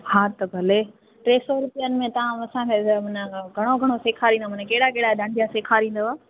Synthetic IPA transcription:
haːt̪ɐbʱɐle | ʈɾeːsɔɾʊpijənɪ̆mẽt̪ɐʋ̤ãɐsãkʰeːmʊnə̃ɡʱɐɽ̃oɡʱɐɽ̃oseːkʰaːɾĩːnd̪omɐ̃nẽkeːɪɽakeɦɪɽaɗãːɳɖʱijaseːkʰaɾĩːnd̪oaː

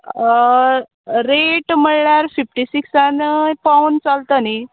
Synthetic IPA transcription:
ɾeʈm̤əɭɳjaɾfifʈisiksanpaunt͡salt̪ani

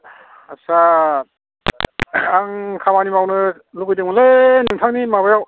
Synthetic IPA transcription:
asa | ŋkʰamanimawnɯ | lukɯjdɯŋmalenɯŋtʰaŋnimabajaw

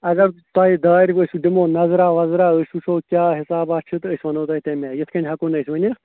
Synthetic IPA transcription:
ɐɡɐɾt̪aːid̪aːiɾəsʲuɖimoːnɐzɾaːʋɐzɾaːəsʲusʰoːkʲjaːɦɪsaːbaːt͡ʃʰɨt̪əsʲʋɐnoːt̪aːit̪emeːjɪt̪ʰkɐɳʲɦɐkoːnɐsʲʋɐnʲiɾɐt̪

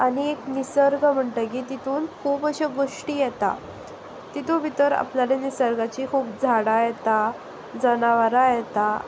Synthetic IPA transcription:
anieknisəɾɡʱəm̤əɳʈ̪ək̬iːt̪it̪ʰuːnkʰuːpəɕeɡoʂʈiːjɛt̪a̰ | t̪it̪ʰoʋit̪əɾa̰plalenisəɾɡat͡ɕikʰuːp̚d͡zʱaɽajɛt̪a | d͡zənaʋaɾajɛt̪a

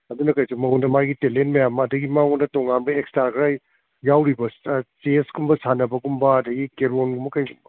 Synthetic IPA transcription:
ɐdunɐkajsumɐondɐmajɡitelentmɐjamɐːdɐɡimawondɐtɔŋanbɐekstaɾkʰɾaj | jawɾibɐsseskumbɐsanɐbɐɡumbɐːdɐɡikeɾonɡumbɐkajɡumbɐ

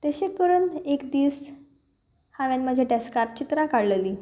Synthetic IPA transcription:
t̪əɕek̚pəɾuːnekd̪iːs | haʋjanməd͡ʑʱaɖeskaɾʈ̚t͡ɕit̪ɾakaɽleliː

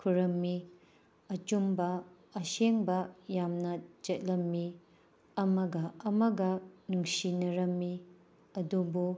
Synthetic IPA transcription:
kʰuɾɐmːi | ɐt͡ʃumbɐː | seŋbɐjamnɐd͡ʒet̚lɐmːi | ɐmɐɡɐɐmɐɡɐnuŋsinɐɾɐmːi | ɐdubu

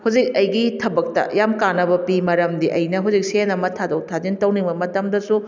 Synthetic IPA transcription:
huwd͡ʒik̚ɐjɡitʰɐbɐk̚tɐ̰jamkanɐbɐpimɐɾɐmdiʔɐ̰jnɐɦuwd͡ʒik̚senɐmɐtʰadɐwtʰazintɐwniŋbɐmɐtɐmdɐsu

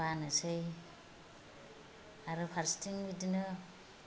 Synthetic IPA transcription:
anɯsɯj | aɾɯpʰaɾstiŋbidinɯ

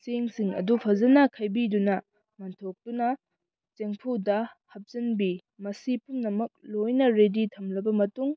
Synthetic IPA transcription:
seŋsiŋɐ̰dupʰɐzɐnɐkʰɐjbidunɐ | mɐntʰok̚tunɐ | t͡ʃeŋpʰudɐhɐp̚zɐnbi | mɐsipunːɐmɐk̚lojnɐɾeditʰɐmlɐbɐmɐtuŋ

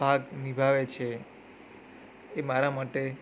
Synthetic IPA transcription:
bʱaɡnibʱaʋet͡ʃʰe | maɾamaʈe

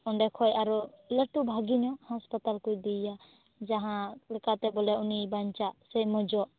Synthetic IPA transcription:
ɔnɖɛkʰɔjaɾɔləʈubʱaɡiɲɔhɔ̃spət̪alkujd̪ija | d͡ʒaɦãlɛkat̪ɛbɔlaunibaɲt͡ʃasɛjmɔd͡ʒɔ

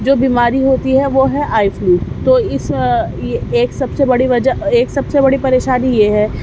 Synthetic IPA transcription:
d͡ʒoːbiːmaːɾiɦoːt̪iɦɛʋoːɦɛʔaːɪfluːt̪oːɪsjeeːksɐbsebɐɽiʋɐd͡ʒəeːksɐbsebɐɽipɐɾeːʃaːnijeɦɛː

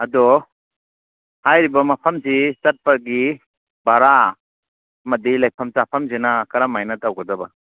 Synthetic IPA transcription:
ɐdɔ | hajɾibamapʰamzisat̚paɡi | baɾa | mɐdilajpʰɐmtapʰɐmzenakɐɾamajnatawɡɐdaba

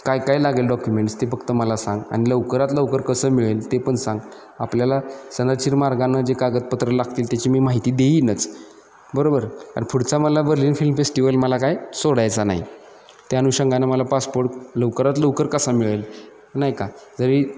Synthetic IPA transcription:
kajkajlaɡelɖɔkjumeɳʈst̪efəkʰt̪əməlasãŋɡa̰ñiləʋkəɾat̪ləʋkəɾkəsəːmiɭelt̪epəɳsãŋɡ | apljalasənəɾt͡ɕiɾmaɾɡanːad͡ʑekaɡət̪̚pət̪ɾəlaɡʰt̪iːlt̪jat͡ɕiːmiːmaɦit̪iːd̪einət͡s | bəɾobəɾka̰ɾpʰuɽt͡saməlabəɾliːnfilmfesʈiʋəlməlakajsoɽajt͡sana̰ḭ | t̪januɕəŋɡanaməlapaspoɾʈləʋkəɾat̪ləʋkəɾkəsamiɭel | najkad͡zəɾi

